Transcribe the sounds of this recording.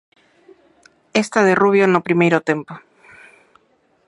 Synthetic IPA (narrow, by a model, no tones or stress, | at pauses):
est̪aðe̞ruβjonopɾimejɾot̪e̞mpo